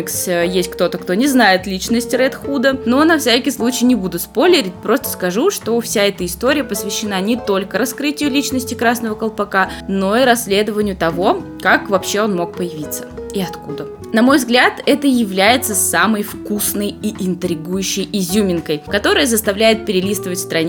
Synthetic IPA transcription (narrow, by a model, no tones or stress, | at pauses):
ksjesʲt̚ʲkt̪o̞t̪əkt̪o̞nʲɪznajɪt̪lʲit͡ɕnəsʲtʲɾɛt̪xud̪əno̞nɐfsʲækʲɪjslˠut͡ɕɪjnʲɪbud̪ʊspo̞lʲɪɾʲɪt̚ʲpɾo̞st̪ə̥skɐʐuʂt̪o̞fsʲaɛt̪əɪst̪o̞ɾʲɪjəpəsvʲɪɕːɪnanʲɪt̪o̞lʲkəɾɐskɾɨtʲɪjʊlʲit͡ɕnəsʲtʲɪkɾasnəvəkəlˠpɐkano̞iɾɐsʲːlʲe̞d̪əvənʲɪjʊt̪ɐvo̞ | kakvɐpɕːe̞o̞nmo̞k̚pəjɪvʲit̪sːə̥iɐt̪kud̪ə | nɐmo̞jvzɡlʲat̪ɛt̪əjɪvlʲæjɪt̪səsaməjfkusnəjiʔɪnt̪ɾʲɪɡujʉɕːɪjɪzʲumʲɪnkəjkɐt̪o̞ɾəjəzəst̪ɐvlʲæjɪt̪̚pʲɪɾʲɪlʲist̪əvətʲfst̪ɾɐnʲ